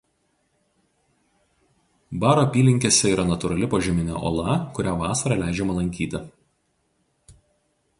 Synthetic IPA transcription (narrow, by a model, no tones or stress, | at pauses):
bɑːɾoːpʲiːlʲɪŋʲkʲeːsʲɛiːɾɐnɐt̪ʊɾɐlʲɪpoʒʲɪmʲɪnʲɛ̰ʔo̰ːlˠɐkʊɾʲæːʋɑːsɐɾɐlʲæˑɪd͡ʒʲɛmɐlˠɐŋʲkʲiːt̪ʲɪ